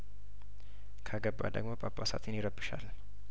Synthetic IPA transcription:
kʰaɡəbːa̰d̪ə̰ɡmopʼapʼːasa̰t̪ʰɪnjɪɾəbɨʃa̰l

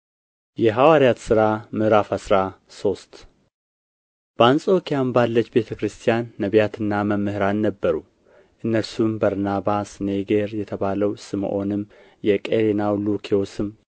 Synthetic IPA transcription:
jɛɦawaɾjat̪sɨɾamɨhɾafasɾa | so̞st̪ | b̥əansʼo̞kʰijambalːət͡ʃːbe̞t̪ʰəkɾɨst̪ʰijanːəβjat̪ʰɨnːaməmːɨhɨɾannəbːəɾu | ʔɨnːəɾsumbəɾnaβasneɡeɾjɛt̪ʰəβaləwsɨm̰ʔo̞nɨmː | jɛkʼeɾenawlukʰiosɨmː

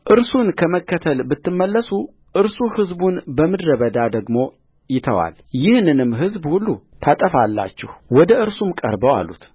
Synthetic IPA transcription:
ʔɨɾsunkʰəməkːət̪ʰəlbɨt̪ːɨmːəlːəsu | ʔɨɾsuhɨzbunbəmɨd̪ɾəβəd̪ad̪əɡmo̞ | jɪt̪ʰəwa̰ljɪhnɨnɨmːɦɨzbhulːut̪ʰat̪ʼəfalːa̰t͡ʃːɛ̰hwɔd̪əʔɨɾsumkʼə̰ɾbəwa̰lːut̪

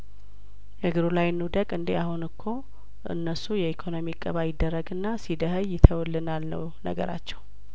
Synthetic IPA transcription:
jəɡɨɾolajnːud̪əkʼɨnd̪eahunɨkʰːo̞ | ʔɨ̰nːəsujɛikʰonomikʼəβajɪd̪ːərːəɡɨnːasid̪əhəjːɪt̪ʰəwlːɨnalːə̰w | nə̰ɡə̰ɾa̰t͡ʃːɛw

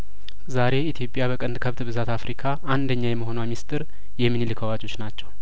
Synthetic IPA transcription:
zaɾe̞it̪ʰjo̞pʼːjaβəkʼənd̪kʰəβt̪bɨzat̪ʰafɾʔikʰaʔand̪əɲːajɛməɦo̞namist̪ʼɨɾ | jɛmːɨnilɨkʰəwat͡ʃʼo̞t͡ʃːnat͡ʃːɛw

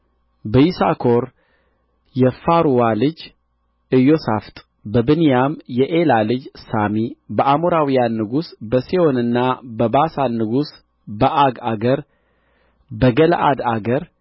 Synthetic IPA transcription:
bəjisakʰoɾ | jɛfaɾuwalɨd͡ʒ | ɨjo̞saft̪ʼ | bəbɨnijamjɛʔelalɨd͡ʒsamibəʔamoɾawijanːɨɡusbəseonɨnːabəbasanːɨɡus | bəʔaɡaɡəɾ | bəɡəlʔa̰d̪aɡəɾ

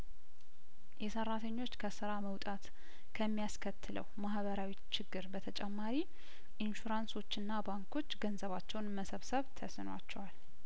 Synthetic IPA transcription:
jɛsərːat̪ʰəɲːo̞t͡ʃːkʰəsɨɾaməwt̪ʼat̪ | kʰəmːijaskʰət̪ʰːɨlə̰wmahβəɾawit͡ʃɪɡːɨɾbət̪ʰət͡ʃʼɛmːaɾi | ʔɪnʃuɾanso̞t͡ʃːɨnːabaŋkʰo̞t͡ʃːɡənzəβat͡ʃːɛwnməsəβsəβt̪ʰəsɨnwa̰t͡ʃːɛwal

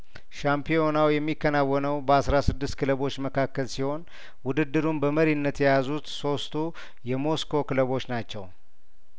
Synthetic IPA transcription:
ʃampʰio̞nawjɛmːikːənawːɔnəwbəasɾasɨd̪ːɨst̪kʰɨləβo̞t͡ʃːməkʰakːəlsiho̞n | wʊd̪ɨd̪ːɨɾumbəməɾinːət̪jɛjazut̪so̞st̪ʰu | jɛmo̞skʰo̞kɨləβo̞t͡ʃːnat͡ʃːɛ̰w

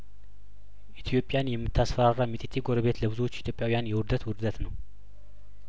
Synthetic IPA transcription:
ʔit̪ʰjo̞pʼːjanjɛmːɨt̪ʰːasfəɾarːamit̪ʼit̪ʰːiɡoɾəβe̞t̪ləβɨzuwot͡ʃːit̪ʰjo̞pʼjawijanjɛwʊɾd̪ət̪wʊɾd̪ət̪nəw

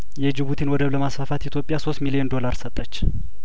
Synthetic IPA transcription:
jɛd͡ʒɪβut̪ʰinwɔd̪əβləmasfafat̪it̪ʰjo̞pʼːɪjaso̞st̪miliɛnd̪o̞laɾsət̪ʼːət͡ʃː

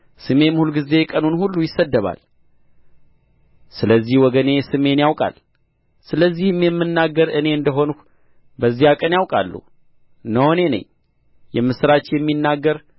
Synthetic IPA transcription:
sɨme̞mɨhulɡize̞kʼənunhulːujɪsːəd̪ːəβa̰l | sɨləzːihwɔɡəne̞sɨme̞njawkʼa̰l | sɨləzːihmjɛmːɨnːaɡːəɾɨne̞ɨnd̪əɦonk | bəzːijakʼənjawkʼalːṵ | nəhone̞nə̰ɲː | jɛmːɨsɨɾat͡ʃjɛmːinːaɡːəɾ

